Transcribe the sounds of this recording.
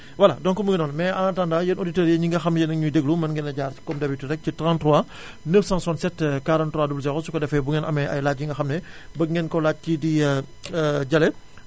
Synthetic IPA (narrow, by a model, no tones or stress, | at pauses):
wɐlɐdɔnkɔmuɡinɔːnmɛːantandaːjənoditəːɾjɐɲiŋɡɐxɐmnjɛnɐɲudeɡlumɐnŋɡɛnɐɟaːɾti̥kɔmdɐbituɾɛk̚citɾantɾɔa | nəfsãnsɔnsɛtːkaɾɐntruaːdublsɛxɔsukɐdɛfɛbuŋɛnʔɐ̰mɛʔɐ̰jlaːc̚ɲiŋɡɐxɐmnɛbɐŋɡɛnkɔlaːt̚cidi | ɟɐlɛ